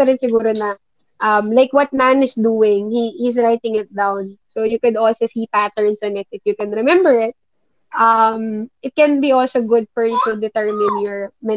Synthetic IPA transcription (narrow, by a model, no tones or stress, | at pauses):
ɐɾɪnsɪɡuːɾonɐ | ʔɐmlajkwɐt̪̚nanɪsd̪uːɪŋhihisɹajt̪ɪ̃ŋɪt̪̚d̪awnsojukʊd̪ɔlsosiːpat̪ɛɹnsɔnɪt̪̚ɪfjukɛ̃nɾɛmɛ̃mbɛɹɪt̪̚ | ʔɐmʔɪt̪̚kɛnbiʔɔlsoɡʊd̪̚fɔɹjut̪ʊd̪ɪt̪ɛɹmɪ̃njɔɹmɛ